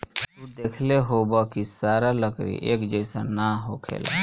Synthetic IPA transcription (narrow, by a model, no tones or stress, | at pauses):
t̪ud̪eːkʰleɦoːbakisaːɾaləkɾḭʔeːkd͡ʒəɪsanaɦoːkʰḛːla̰